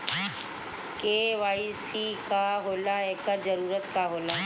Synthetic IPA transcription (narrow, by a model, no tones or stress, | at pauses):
keːʋaːisikaɦoːlaɦɛkəɾzəɾuːɾət̪kaɦoːlaː